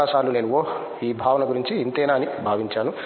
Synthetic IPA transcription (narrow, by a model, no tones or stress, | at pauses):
aːʃaːlune̞ːnuoː | iːbʱaːʋɐnɐɡuɾiɲt͡ʃiːnt̪ɛːnaːnibʱaːʋiɲt͡ʃaːnu